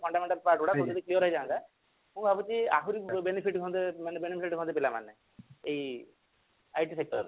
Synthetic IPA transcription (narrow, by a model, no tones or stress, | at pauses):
pʰɔɳɖameɳʈəlpaɾʈbɔɽakɔ̃t̪d̪iklijɔɾɔɦid͡ʒaːnd̪a | mũbʱabut͡ʃia̰ɦuɾibenipʰiʈɡʱɔ̃nd̪emenbenipʰisiʈɡʱɔ̃nd̪epilama̰nːe | ei | ajʈisek̚ʈɔɾ